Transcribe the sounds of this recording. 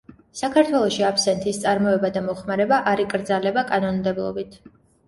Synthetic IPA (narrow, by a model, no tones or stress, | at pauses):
sakʰaɾt̪ʰwɛlˠɔʃiapʰsɛnt̪ʰist̪sʼaɾmɔɛbad̪amɔχmaɾɛbaʔaɾikʼɾd̪zalɛbakʼanɔnmd̪ɛblˠɔ̰bit̪ʰ